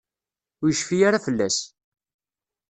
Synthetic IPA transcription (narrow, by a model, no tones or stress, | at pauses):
ʊjəʃfijaɾafəlːæs